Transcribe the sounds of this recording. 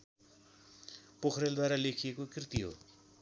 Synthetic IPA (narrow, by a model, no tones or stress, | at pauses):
pokʰɾeld̪waɾalekʰijekokrt̪iɦo̰